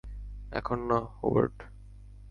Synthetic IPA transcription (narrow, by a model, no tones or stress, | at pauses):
ɛ̰kʰonːahobḛɾʈ